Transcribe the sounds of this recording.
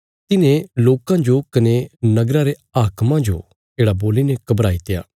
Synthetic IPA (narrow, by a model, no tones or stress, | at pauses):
t̪ɪnẽloːkãd͡ʒokɐnenɐɡɾãɾe | aːkmãd͡ʒo̰ | d͡ʒeːɽaboːlinekɐbɾaːit̪ɪja̰ː